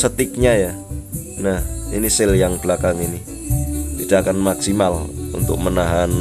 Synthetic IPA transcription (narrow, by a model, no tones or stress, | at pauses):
sət̪ɪk̚ɲaja | nahḭnisɪljaŋb̥əlakaŋini | id̥akanmaksimalṵnt̪ʊ̰k̚mənaɦan